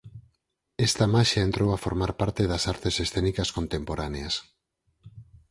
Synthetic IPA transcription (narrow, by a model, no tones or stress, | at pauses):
est̪ɐmaʃaent̪ɾowafoɾmaɾpaɾt̪eðɐsaɾt̪esesθenikɐskont̪empoɾaneas